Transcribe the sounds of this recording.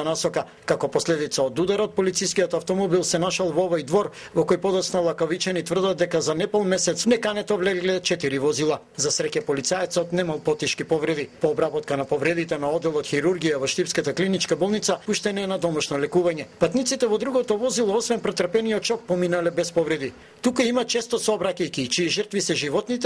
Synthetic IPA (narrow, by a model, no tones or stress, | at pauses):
anasɔka | kakɔpɔslɛd̪it̪saod̪ud̪aɾɔt̪̚pɔlit̪sijskijɔt̪aft̪ɔmɔbilˠsɛnaʃalˠvɔɔvɔjd̪vɔɾ | vɔkɔjpɔd̪ɔt̪snalˠakɔvit͡ʃɛnit̪vr̩d̪at̪̚d̪ɛkazanɛpɔlˠmɛsɛt̪snɛkanɛt̪ɔvlɛɡlɛt͡ʃɛt̪iɾivɔzilˠa | zasɾɛcɛpɔlit̪saɛt̪sɔt̪nɛmalˠpɔt̪iʃkipɔvɾɛd̪ipɔːbɾabɔt̪kanapɔvɾɛd̪it̪ɛnaɔd̪ːɛlˠɔt̪xiɾuɾɡijavɔʃt̪ipskat̪aklinit͡ʃkabɔlˠnit̪sapuʃt̪ɛnɛnad̪ɔmaʃnɔlɛkuvaɲɛpat̪nit̪sit̪ɛvɔd̪ɾuɡɔt̪ɔvɔzilˠɔɔsvɛnpɾɛt̪ərpɛniɔt̪̚t͡ʃɔk̚pɔminalɛbɛspɔvɾɛd̪i | t̪ukaimat͡ʃɛst̪ɔsɔbɾakajkiːt͡ʃiɛʒərt̪visɛʒivɔt̪nit̪ɛ